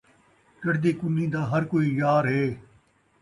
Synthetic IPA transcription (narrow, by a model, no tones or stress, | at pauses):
kəɽd̪eːkʊnːĩːd̪aːɦɐɾkoːiːjaːɾɦeː